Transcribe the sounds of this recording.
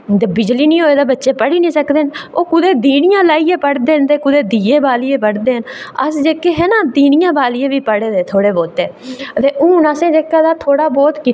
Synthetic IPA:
d̪bɪd͡ʒliːnĩːɦoːeːd̪aːbətːʃeːpəɽiːnĩːsəkd̪eːnoːkʊd̪eːd̪iːnɪjãːlaːiːjeːpəɽd̪eːɦnt̪eːkʊd̪eːd̪iːeːbaːlɪeːpəɽd̪eːɦənə̰sd͡ʒeːkːeːɦɛːnãːd̪iːnɪjãːbaːlɪẽːʋiːpəɽeːd̪eːt̪ʰoːɽeːboːt̪eːt̪eːʔʊːnaːsẽːd͡ʒeːkːaːd̪aːt̪ʰoːɽaːbɔːt̪kɪ

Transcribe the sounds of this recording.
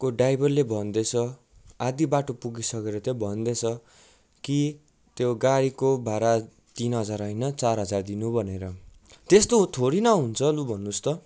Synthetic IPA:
koɖajbʌrlebʱʌnd̪et͡sʰʌ | ad̪ibaʈopuɡisʌkeɾʌt̪obʱʌnd̪et͡sʰʌ | ki | t̪joɡaɽikobʱaɾa | t̪inɦʌd͡zaɾʌjnʌt͡sarɦʌd͡zard̪inubʱʌneɾʌ | t̪est̪ot̪ʰoɽinʌɦunt͡sʰʌlubʱʌnːust̪ʌ

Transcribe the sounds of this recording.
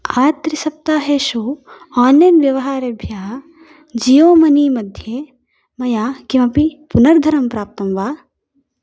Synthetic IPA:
aːt̪ɾisɐp̚t̪aːɦeːʃu | aːnːjɐnʋjɐʋɐɦaːɾɐbʱjaːɦɐ | d͡ʒijoːmɐniːmɐd̪ʱjeː | mɐjaːkimɐpipunɐɾd̪ʱɐɾɐmpɾaːp̚t̪ɐmʋaː

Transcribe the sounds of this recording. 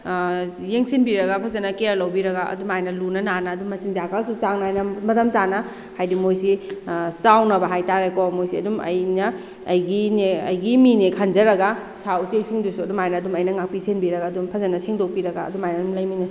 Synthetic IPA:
jeŋsinbiɾɐɡapʰɐzɐnɐkeɾlɐwbiɾɐɡaɐ̰dumajnɐlunɐnanɐːdumːɐsiŋzakasusaŋnaajnɐmɐtɐmsanɐ | hajdimojsisawnɐbɐɦajtaɾekɔmojsiɐdumɐ̰jnɐː | jɡineɐ̰jɡiminekʰand͡ʒɐɾɐɡa | sawsiejsiŋdusuɐdumajnɐːdumɐjnɐŋak̚pisenbiɾɐɡaːdumpʰɐzɐnɐseŋdok̚piɾɐɡa̰ːdumajnɐdumlɐjmina

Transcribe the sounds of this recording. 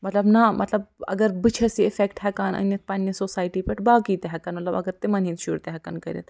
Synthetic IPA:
mɐt̪lɐbnɐmʔɐ̰t̪lɐbɐ̰ɡɐɾbɨt͡ʃʰɐsiefekʈhɛkaːnɐ̰nːɐt̪̚ʰpɐnːisoːsaːiʈipeʈʰbaːkit̪eɦɐkaːnmɐt̪lɐbɐ̰ɡɐɾt̪emɐnĩːnt̪ʃuɾt̪eɦɐka̰nkɐɾʲḭt̪

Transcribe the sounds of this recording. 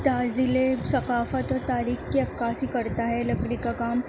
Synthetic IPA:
t̪aːzɪlesɐkaːfət̪ɔːɾt̪aːɾiːxkeɐkːaːsikɐɾt̪aɦɛlɐɡɽikakaːm

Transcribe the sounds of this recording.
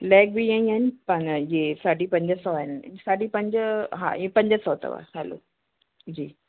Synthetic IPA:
lɛːk̚bʱijaːĩaːɪnɪpɐniesaːɖipɐ̃ɲd͡ʑəsɔːaɦɪnsaːɖʱipɐ̃ɲd͡ʑɦã̰ːiẽpɐ̃ɲd͡ʑəsɔːt̪ə̰ʋa̰ɦɛlo̰ː | d͡ʑiː

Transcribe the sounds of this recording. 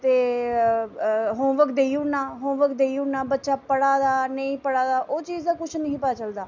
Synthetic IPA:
t̪eː | ɦõːʋəkd̪eːiʊɳnaːɦõːʋəkd̪eːiʊɳnaːbətːʃaːpəɽaːd̪aːnəĩːpəɽaːd̪aːʔoːt͡ʃiːzd̪aːkʊt͡ʃʰnəɦĩːpəaːt͡ʃəld̪aː

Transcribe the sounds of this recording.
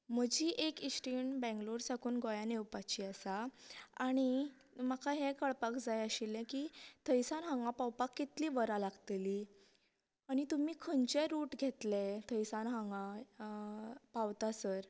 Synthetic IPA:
m̤əd͡ʑiːʔekisʈinbɛ̃ŋɡloɾsakʰuːnɡɔjãnewpat͡ɕiːasaaɽ̃i | makaɦɛkəɭpakd͡zajəɕilɛ̃kiːt̪ʰəjsanɦãŋɡãpawpakːit̪liːʋəɾalaɡt̪eli | aɽ̃it̪umiːkʰənt͡ɕeɾuːʈɡʱet̪let̪ʰəjsanɦãŋɡa | pawt̪asəɾ

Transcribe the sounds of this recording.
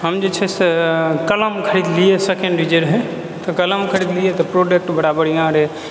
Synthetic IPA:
ɦəmd͡ʒet͡ʃʰɛsekələmkʰəɾid̪lijesekeɳɖɾid͡ʒeɾɦɛ | t̪ɔkələmkʰəɾid̪lijet̪ɔpɾoɖek̚ʈbəɽabəɽijãɾɛ

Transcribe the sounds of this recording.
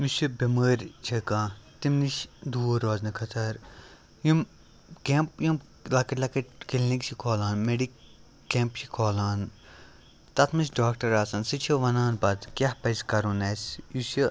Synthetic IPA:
nusibɐməːɾʲt͡ʃʰɐkãːt̪imniʃd̪uːɾoːznikʰɐt̪ʰɐɾ | jum | keːmpjum | lɐkɐʈlɐkɐʈkilnikt͡ʃʰikʰoːlaːnmeɖikː | eːmpt͡ʃʰikʰoːlaːn | t̪ɐt̪ʰmisʲɖaːkʈɐɾaːsɐnsɨt͡ʃʰiʋɐnaːnpɐt̪kʲahpɐskɐɾunɐːsʲjusi

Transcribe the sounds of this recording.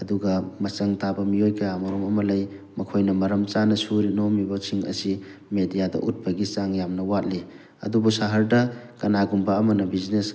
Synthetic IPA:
ɐduɡɐmɐt͡ʃɐŋtabɐmiojkʰɐjamɐɾomɐmɐlɐj | mɐkʰojnɐmɐɾɐmt͡ʃanɐsuɾinomibɐsiŋɐ̰simedijadɐ̰ʔut̚bɐɡit͡ʃaŋjamnɐwat̚li | ɐ̰dubusaɦɐɾdɐkɐnaɡumbɐːmɐnɐbiznes

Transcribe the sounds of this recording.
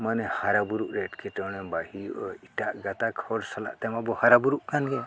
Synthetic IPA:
manɛhaɾabuɾuʔɾɛʈkʰit̪ɔnɛbahiiʈaʔɡat̪akʰhɔɾsala̰ʔt̪ɛmabɔhaɾabuɾuʔkanɡɛ

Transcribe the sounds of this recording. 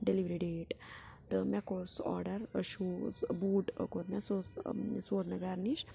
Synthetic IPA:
ɖeliʋɾiɖeːʈ | t̪ɨmɛkosɔ̰ːɾɖɐɾəʃubuːʈə̰kot̪mɛsossoːd̪mɛɡaɾniʃ

